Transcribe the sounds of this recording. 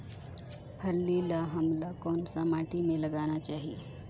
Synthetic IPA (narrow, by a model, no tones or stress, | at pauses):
pʰəlːilaɦɐmlakɔːnsamaːʈimẽlɐɡaːnat͡ʃaːɦie